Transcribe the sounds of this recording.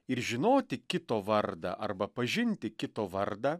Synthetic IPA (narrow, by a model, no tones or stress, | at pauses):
ɪɾʒʲɪnoːt̪ʲɪkʲɪt̪oːʋɐɾd̪ɐ̰ʔɐrbɐpɐʒʲɪnʲt̪ʲɪkʲɪt̪oːʋɐɾd̪ɐː